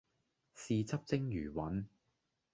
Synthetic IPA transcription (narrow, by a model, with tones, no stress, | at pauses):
siː˨t͡sɐ˥p̚t͡sɪ˥ŋjyː˨˩wɐ˨˥n